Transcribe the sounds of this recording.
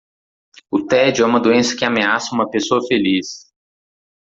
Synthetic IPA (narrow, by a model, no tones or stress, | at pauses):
ʊt̪ɛd͡ʒɛũmɐd̪uẽsɐ̥kɪameasɐũmɐpesoɐfelis